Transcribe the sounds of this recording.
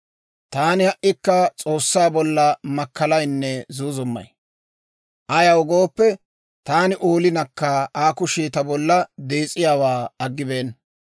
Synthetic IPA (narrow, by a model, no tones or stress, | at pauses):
t̪aːnɪhɐʔɪkːɐt͡sʼo̞ːsːaːbɔlːɐmɐkːɐlɐjnːɛzuːzʊmːɐ̰j | ʔɐjɐwʊɡo̞ːpːɛ | t̪aːnɪʔoːlɪnɐkːɐaːkʊʃiːt̪ɐbɔlːɐd̪eːt͡sʼɪjaːwaːɐɡːɪbe̞ːn